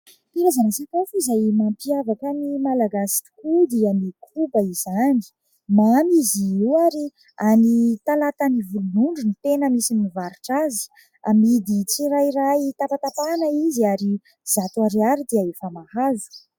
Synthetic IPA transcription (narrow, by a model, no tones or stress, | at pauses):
piɾazanasakafuzajmampiavakanimalaɡasi̥kud̪ianikʰubaizani̥ | mamiziiwaɾi | anit̪alat̪anivulunuɳɖ͡ʐunit̪enəmisinivaɾuʈ͡ʂazi̥ | amid̪it͡siɾajirait̪apat̪apanaiziaɾi | zat̪uaɾiaɾid̪̥eaefamahazu̥